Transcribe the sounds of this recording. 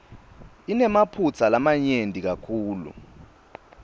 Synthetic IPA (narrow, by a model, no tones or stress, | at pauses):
inɛmapʰut͡sʰalamaɲendʱʼik̬akʰuːlṵ